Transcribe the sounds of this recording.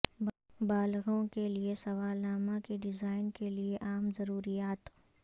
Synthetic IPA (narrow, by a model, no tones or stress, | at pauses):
baːlɣõkeliesɐʋaːlaːmakiɖɪzaːɪnkelieʔaːmzɐɾuːɾijaːt̪